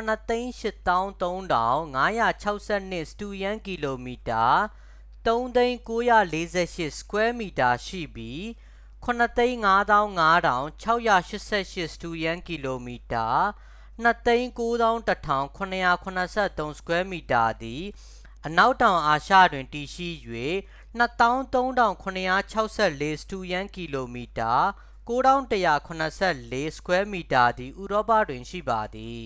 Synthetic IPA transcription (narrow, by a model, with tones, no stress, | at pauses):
nət̪ẽ˦ɪ̃ʃɪ˦ʔt̪ã˦ʊ̃nt̪õ˦ʊ̃ndã̰˦˨ʊ̃ŋa˦ja̰˦˨t͡ɕʰa˦ʊʔsɛ˦˨n̥ɪ˦ʔsə̥tu˨jã˦ŋki˨lo˨mi˨ta˨ | t̪õ˦ʊ̃nt̪ẽ˦ɪ̃ko˦jä̰˦˨le˦zɛ̰˦˨ʃɪ˦ʔsə̥kwɛ˦mi˨ta˨ʃḭ˦˨bji˦ | kʰʊ̃˨n̥ə˨t̪ẽ˦ɪ̃ŋa˦d̪ã˦ʊ̃ŋa˦ɾã̰˨ʊ̃t͡ɕʰa˦ʊʔja̰˦˨ʃɪ˦ʔsɛ̰˦˨ʃɪ˦ʔsə̥tu˨jã˦ŋki˨lo˨mi˨ta˨ | n̥ə˦t̪ẽ˦ɪ̃ŋko˦d̪ã˦ʊ̃tətʰã˨ʊ̃kʰʊ̃˨nə˨ja˨kʰʊ̃˨nə˨sʰɛ̰˦˨t̪õ˦ʊ̃sə̥kʰwɛ˦mi˨ta˨d̪i˨ | ʔəna˦ʊtːã˨ʊ̃ʔa˨ʃä̰˦˨dwɪ̃˨nti˨ʃḭ˦˨jwḛ˦˨ | n̥ə˦t̪ã˦ʊ̃nt̪õ˦ʊ̃ndã˨ʊ̃kʰʊ̃˨nəja˦˨t͡ɕʰa˦ʊʔsɛ˦˨le˦sə̥tu˦jã˦ŋki˨lo˨mi˨ta˨ | ko˦ɾã˦ʊ̃təja̰˨kʰʊ̃˨nəsʰɛ˦˨le˦sə̥kwɛ˦mi˨ta˨d̪i˨ʔu˨ɾɔ˦pä̰˦˨dwɪ̃˨nʃḭ˦˨ba˨d̪i˨